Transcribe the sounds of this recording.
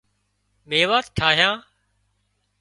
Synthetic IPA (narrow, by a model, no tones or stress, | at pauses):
meːʋaːt̪̚ʈʰaːɦjãː